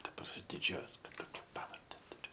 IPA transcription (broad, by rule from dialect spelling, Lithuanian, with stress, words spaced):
dɐˈbɐr dʲɪˈd͡ʒʲuɔjoːs kɐt ˈtoːkʲɛ ˈpɑːʋɐrʲdʲɛ tʊˈrʲʊ